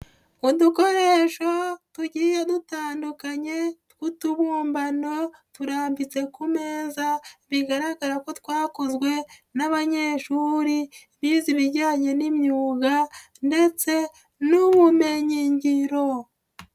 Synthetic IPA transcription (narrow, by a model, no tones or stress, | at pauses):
uduko̞ɾe̞ːʃo̞tuɟiːjedutaːndukaɲe̞tkutuβuːmbano̞tuɾaːmbit͡se̞kumeːzaβiɡaɾaɡaɾako̞twaːkozɡwe̞naβaɲe̞ːʃuɾi | βiːziβiɾɟaːɲenimɲuːɡa | nde̞t͡se̞ | numume̞ɲiɲɟiɾo̞